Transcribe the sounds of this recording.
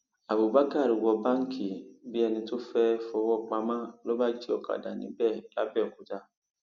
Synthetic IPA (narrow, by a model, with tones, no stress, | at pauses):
a˨bu˨ba˦ka˦˨ɾi˨wɔ˨bã˦ŋ̩˦kʰi˨bi˦ɛ˨nĩ˧tʊ˦fɛ˦fɔ˨˦wɔ˦˨k͡pa˨mã˦lɔ˦ba˦d͡ʒi˦ɔ˨ka̰˨da˨nḭ̃˨bɛ˦˨la˦bɛ˦˨ku˨ta˦